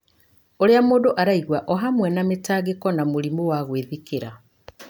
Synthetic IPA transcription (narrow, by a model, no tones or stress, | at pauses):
oɾeamoːdoʔaɾaiɣwaʔɔɦamwɛnametaːɣekɔnamoɾimowaɣweðikeɾa